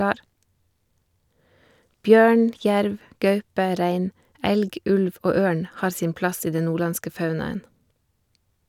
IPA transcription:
ˈbjøːɳ ˈçæɾʋ ˈɡɑʉpə ˈɾæɪn ˈɛlɡ ˈʉlʋ ˈoː ˈøːɳ ˈhɑːɾ ˈsiːn ˈplɑs ˈiː ˈdɛn ˈnuːˌɭɑnskə ˈfɑʉnɑən

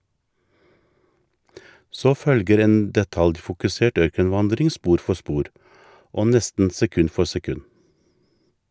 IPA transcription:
ˈsoː ˈfœlɡəɾ ˈeːn dɛˈtɑljfʊkʉˌseːʈ ˈœɾkənˌʋɑndɾɪŋ ˈspuːɾ ˈfɔ ˈspuːɾ ˈoː ˈnɛstn̩ sɛˈkʉn ˈfɔ sɛˈkʉn

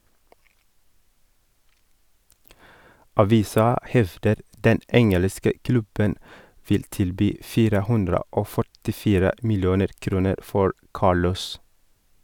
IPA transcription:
ɑˈʋiːsɑ ˈhɛʋdəɾ ˈdɛn ˈɛŋələskə ˈklʉbən ˈfɪl ˈtɪlˌbyː ˈfiːɾə ˈhʉndɾə ˈoː fœʈɪˈfiːɾə ˈmɪlˌjuːnəɾ ˈkɾuːnəɾ ˈfɔɹ ˈkɑːɭɔs

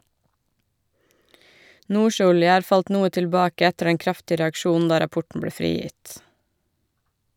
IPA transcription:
ˈʔnuːˌʃøːˌɔljə ˈɑːɾ ˈfɑlt ˈnuːə tɪlˈbɑːkə ˈɛtəɾ ˈdɛŋ ˈkɾɑftɪə ɾɛɑkˈʃuːnn̩ ˈdɑː ɾɑˈpɔʈɳ ˈbɭeː ˈfɾiːˌjɪt

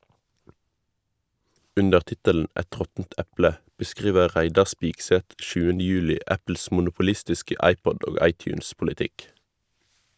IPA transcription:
ˈʉndəʁ ˈtɪtəln̩ ˈɛt ˈʁɔtn̩t ˈɛplə bəˈskʁiːʋə ˈʁæɪdɑ ˈspɪɡsɛt ˈʃʉːənə ˈjʉːlɪ ˈæpl̩s mʊnʊpʊˈlɪstɪskə ˈɑɪˌpɔd ˈoː ˈɑɪˌtjʉːnspʊlɪˌtɪk

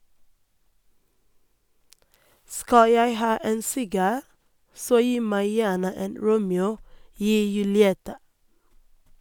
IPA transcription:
ˈskɑ ˈjæɪ ˈhɑː ˈeːn ˈsɪɡɑː ˈsoː ˈjiː ˈmæɪ ˈjæːɳə ˈeːn ˈɹuːmɛuː ˈyː jʉlɪˈɛtɑ

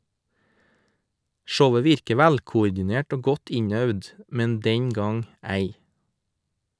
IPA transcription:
ˈʃəʊə ˈʋɪɾkə ˈʋælkʊʊɾdɪˌneːʈ ˈoː ˈɡɔt ˈɪɲœʋd ˈmɛn ˈdɛŋ ˈɡɑŋ ˈæɪ

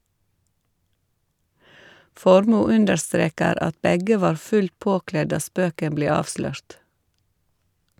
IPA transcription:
ˈfɔɾmuː ˈʉndəɾˌstɾeːkəɾ ˈɑt ˈbɛɡə ˈʋɑːɾ ˈfʉl ˈpoːˌklɛ ˈdɑː ˈspøːkəm ˈbleː ˈɑːʋslœɹt

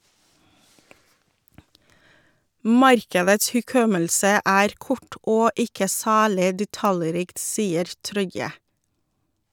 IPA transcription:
ˈmɑɾkədəts hʉˈkɔməlsə ˈæːɾ ˈkɔʈ ˈoː ˈɪkə ˈsæːlɪ dɛˈtɑləˌɾiːkt ˈsiːəɾ ˈtɾɔʏə

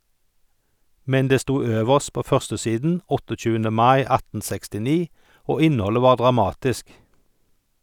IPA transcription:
ˈmɛn ˈdeː ˈstuː ˈøːʋəʃt ˈpoː ˈfœʁstəˌsiːdn̩ ˈɔtɔˌc͡çʉːəndə ˈmɑɪ ˈɑtn̩ ˌsɛkstɪˈniː ˈoː ˈɪnˌhɔlə ˈʋɑːʁ ˌdʁɑˈmɑːtɪsk

